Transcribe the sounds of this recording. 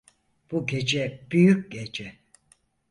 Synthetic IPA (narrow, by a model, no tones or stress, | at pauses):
b̥uɟe̞d͡ʒɛb̥yjyc̚ʲɟed͡ʒɛ